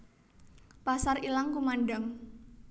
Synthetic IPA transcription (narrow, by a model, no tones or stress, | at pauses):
pasarilaŋkumanɖaŋ